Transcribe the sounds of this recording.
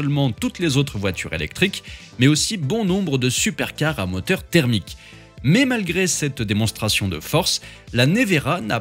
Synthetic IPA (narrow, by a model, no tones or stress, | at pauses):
əlmɑ̃t̪ut̪lezot̪χəvwat̪y̰ʁḛlɛ̰k̚t̪χik | mɛosibɔ̃nɔ̃bʁəd̪əsypɛʁkaʁamɔt̪œʁt̪ɛʁmik | mɛmalɡʁesɛt̪d̪emɔ̃st̪χasjɔ̃d̪ə̰fɔʁslaneveʁana̰